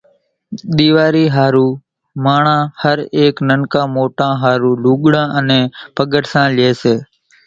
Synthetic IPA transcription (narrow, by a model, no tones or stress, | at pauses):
ɗ̪iːʋaːɾiːɦaːɾuː | maːɳãːhəɾeːknəŋkãːmoːʈãːɦaːɾuːluːɠɽãːʔənẽːpəɠəʈsãːlɪeːseː